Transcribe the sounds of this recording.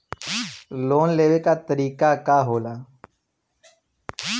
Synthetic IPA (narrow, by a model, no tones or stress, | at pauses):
loːnleːʋeːkaːt̪əɾiːkaːkaːɦoːlaː